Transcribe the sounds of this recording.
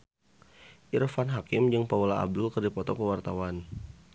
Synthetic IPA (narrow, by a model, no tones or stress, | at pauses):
ʔirfanɦakɪmd͡ʒɨŋpaulaa̰b̚dʊlkərdipɔt̪ɔkəwart̪awan